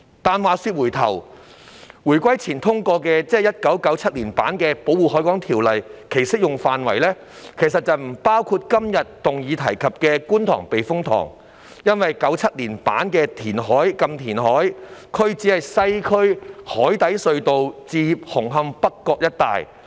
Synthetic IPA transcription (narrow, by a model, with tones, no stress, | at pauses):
t̪aː˨nwaː˨˧syː˧t̚wuː˨˩jt̪ʰɐ̰˨˩w | wuː˨˩jkʷɐ˥jt͡sʰiː˨˩nt̪ʰʊ˥ŋkɔː˧k̬ɛː˧t͡sɛː˥jɐ˥t̚kɐ˨˥wkɐ˨˥wt͡sʰɐ˥t̚liː˨˩npa̰ː˨˥nkɛː˧po˨˥wuː˨ɦɔː˨˥jkɔː˨˥ŋt̪ʰiː˨˩wlɐ˨˩jkʰe˨˩jsɪ˥k̚jʊ˨ŋfaː˨nwɐ˨˩jlɛː˥ | kʰe˨˩jsɐ˨t̚t͡sɐ˨wm̩˨˩paː˥wkʰuː˧t̚kɐ˥mjɐ˨t̚t̪ʊ˨ŋjiː˨˧t̪ʰɐ˨˩jkʰɐ˨p̚kɛː˧kuː˥nt̪ʰɔ̰ː˨˩ŋpe˨jfʊ˥ŋt̪ʰɔ̰ː˨˩ŋ | jɐ˥nwɐ˨jkɐ˨˥wt͡sʰɐ˥t̚liː˨˩npa̰ː˨˥nkɛː˧t̪ʰiː˨˩nɦɔː˨˥jkɐ˧mt̪ʰiː˨˩nɦɔː˨˥jkʰɵ˥ɥt͡si˨˥hɐ˨jsɐ˥jkʰɵ˥ɥhɔː˨˥jt̪ɐ˨˥jsɵ˧ɥt̪o˨wt͡siː˧hʊ˨˩ŋɦɐ˧mpɐ˥kːɔː˧k̚jɐ˥t̚t̪a̰ː˨j